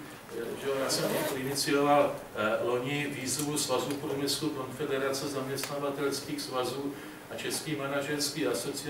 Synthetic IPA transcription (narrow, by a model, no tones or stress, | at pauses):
ʒɛojaːsɛmɛt̪oʔɪnɪt͡sɪo̞vallo̞ɲɪviːzvusvazupɾumɪsluko̞nfɛdɛɾat͡sɛzamɲɛst̪navat̪ɛlskiːxsvazuː | ʔat͡ʃɛskiːmanaʒɛɾskiːaso̞t͡sɪ